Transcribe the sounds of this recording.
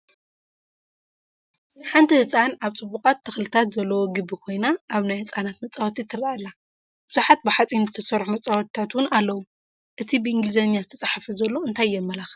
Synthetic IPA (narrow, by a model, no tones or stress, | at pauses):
ħant̪ʰihɨt͡sʼanʔaβt͡sʼɨbːukʼat̪ʰːɐxlɨt̪ʰat̪zɐlːɐwoɡɨbːikʰo̞jnaʔaβnajhɨt͡sʼanat̪mɐt͡sʼːawt̪ʰit̪ʰɨɾaalːa | b̥ɨzuħat̪̚bɨħat͡sʼinzɨt̪ʰɐsɐɾħumɐt͡sʼawt̪ʰi̥t̪ʰat̪wʊnalːɐwu | ʔɨt̪ʰibɨʔɨŋɡɨlɨzɐnjazɨt̪ʰɐt͡sʼaħfizɐlːo̞ɨnt̪ʰajːɛmːɐlax